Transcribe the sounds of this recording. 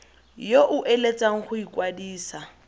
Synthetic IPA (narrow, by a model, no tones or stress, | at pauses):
joʔʊʔelet͡sʼaŋ̩χʊikʼwadiːsa